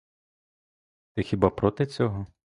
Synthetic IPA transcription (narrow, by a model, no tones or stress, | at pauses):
t̪ɛxʲibapɾɔt̪ɪt͡sʲɔɦɔ